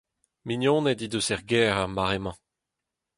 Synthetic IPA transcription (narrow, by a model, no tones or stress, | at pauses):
minjɔ̃ːnedid̪øsɛʁɡɛːʁaʁmaʁemɑ̃